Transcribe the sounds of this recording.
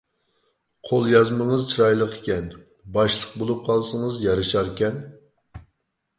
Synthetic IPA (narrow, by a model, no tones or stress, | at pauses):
qʰolˠjɑzməŋəzt͡ʃʰiɾɑjlˠəqʰe̥kʲɛn | bɑʃlˠəq̚bolˠup̚qʰɑlˠsəŋəzjɑɾɨʃɑɾkʲɛn